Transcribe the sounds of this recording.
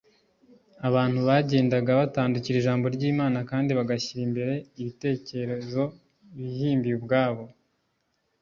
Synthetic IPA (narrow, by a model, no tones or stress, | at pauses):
aβaːn̥huβaɟe̞ːndaɡaβataːnduciɾiʒaːmbo̞ɾɟiːmaːnakaːndiβaɡaçiɾimbe̞ɾe̞iβite̞ːce̞ɾe̞zo̞ | βihiːmbiwubɡaːβo̞